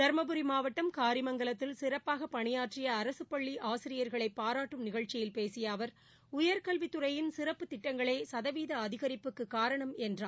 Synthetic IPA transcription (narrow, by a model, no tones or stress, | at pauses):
d̪̥ɐɾmɐbɯɾimaːʋɐʈːɐmkaːɾɪmɐŋɡɐɭɐt̪ːɪlsɪrɐpːaːɣɐpɐɳɪjaːʈrɪjɐːɾɐsɯpːɐɭːiʔaːsɪɾɪjɐɾɣɐɭɐɪpːaːɾaːʈːɯmnɪɣɐɭt͡ʃɪjɪlpeːsɪjaːʋɐɾ | ʊjɐɾkɐlʋɪt̪ːɯɾɐjɪnsɪɾɐpːɯt̪ɪʈːɐŋɡɐɭeːsɐðɐʋiːðɐːðɪɣɐɾɪpːɯkːɯkːaːɾɐɳɐmɛndraː